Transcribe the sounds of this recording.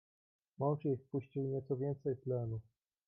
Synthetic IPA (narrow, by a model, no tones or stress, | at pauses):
mɔwʐjifpuɕt͡ɕiwɲɛt̪sɔvʲjɛnt̪sɛjplɛnu